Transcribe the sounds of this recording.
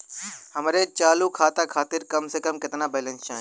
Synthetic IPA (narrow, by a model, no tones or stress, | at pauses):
hɐmɾet͡ʃaːlukʰaːt̪akʰaːt̪ɪɾkɐmsekɐmkɪt̪nabɛːlə̃nst͡ʃã̰ː